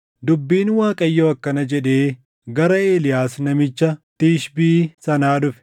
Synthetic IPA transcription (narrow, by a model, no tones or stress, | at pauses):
d̪ʊbːiːnwaːkʼɐjːoːɐkːɐnɐd͡ʒɛᶑe̞ː | ɡɐɾɐe̞ːlɪjaːsnɐmɪt͡ʃːɐt̪iːʃbiːsɐnaːᶑʊfɛ̥